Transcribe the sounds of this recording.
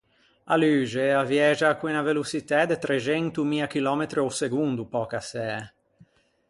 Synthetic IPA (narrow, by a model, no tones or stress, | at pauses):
alyːd͡ʒeavjɛd͡ʒakwinavelusit̪ad̪et̪ɾed͡ʒɛnt̪umiːak̟ilɔːmet̪ɾioseɡund̪upɔkasɛa